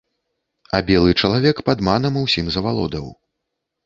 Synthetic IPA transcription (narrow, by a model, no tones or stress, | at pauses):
ɐbʲɛlˠɨt͡ʂɐlˠavʲɛkpad̪manɐmuwsʲimzɐvalˠɔ̰d̪ɐw